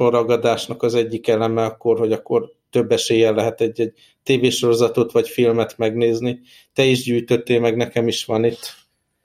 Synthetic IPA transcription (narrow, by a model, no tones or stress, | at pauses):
orɒɡɒd̪aːʃnɒkɒzɛɟːikɛlɛmɛɒkːo̞rho̞ɟɒkːo̞r | t̪ø̞bːɛʃeːjɛnlːɛɦɛt̪ɛɟːɛɟ̚ | t̪eːveːʃo̞ɾo̞zɒt̪ot̪ʋɒcfilmɛt̪mɛɡneːzni | t̪ɛiʒɟyːjt̪ø̞t̪ːeːmɛɡnɛkɛmiʃʋɒnit̪ː